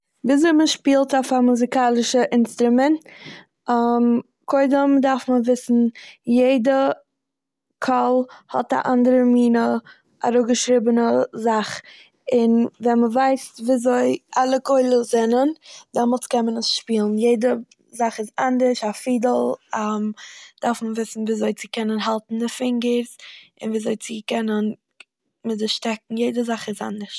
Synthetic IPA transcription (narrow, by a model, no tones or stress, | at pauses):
viːzoɪməʃpiːlˠtafamuzɪkaːlˠɪʃəʔɪnstɾʊmɛnt | m | kʰoɪdəmdaɾfməvɪsn̩jeɪdə | kʰɔlˠhɔta̰ʔandəɾəmiːnə | a̰ɾoɡəʃɾɪbənəzaχ | ɪnvɛnməvaɪsviːzoɪalˠəkoɪlˠəzɛnəndɛmɔlˠtkɛnmənəsʃpiːlˠn̩jeɪdə | zaχɪsandəɾʃafiːdəl̩ˠamd̥aɾfməvɪsn̩viːzoɪt͡sɪkʰɛnənɦalˠtn̩dɪfɪŋɡəɾzɪnviːzoɪt͡sikɛnən | mɪzɪʃtɛk̚ŋ̩jeɪdəzaχɪsa̰ndəɾʃ